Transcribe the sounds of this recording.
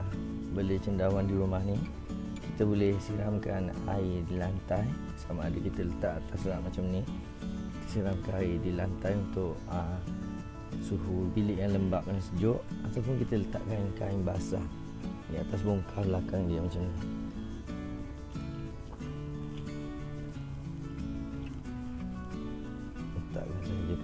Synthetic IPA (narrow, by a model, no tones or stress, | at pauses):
bəlet͡ʃəndawandiɾumahni | ki̥t̪əbolɛhsiɾamkana̰idilant̪aj | samaːdəkit̪ələt̪aʔat̪aslaʔmat͡ʃamni | kit̪ə̥siɾamkaaidilant̪ajunt̪ʊʔə | suɦubilɪʔjaŋləmbaʔanasəd͡ʒʊʔat̪awp̬ʊnkit̪ələt̪a̰ʔkaiŋka̰iŋbaasa̰ | diat̪as̬bɔŋkʰarblakaŋdiəmat͡ʃamni | lət̪a̰ʔkasaəd͡ʒo